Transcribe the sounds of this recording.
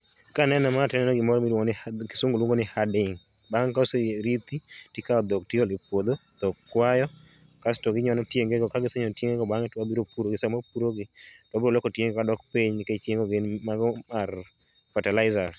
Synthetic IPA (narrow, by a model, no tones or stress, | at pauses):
kanɛnɛmatɛnɛnɔɡɪmɔɾɔmilwoŋonɪkɪsoŋɡolwoŋɡonɪhadɪŋ | baŋkaoseɾit̪itikaɔd̪ok̚tɪɔlɪpwod̪od̪̥okkːwajɔ | kastɔɡɪɲɔnɔtjeŋɡeɡɔkaɡɪsɛɲɔtjeŋɡeɡɔbaŋɛtwabiɾopuɾoɡɪsamapuɾoɡɪ | tɔbiɾolokotjeŋɡkadɔkpiɲnɪket͡ʃjeŋɡoɡenmaɡɔmar | fatalaɪza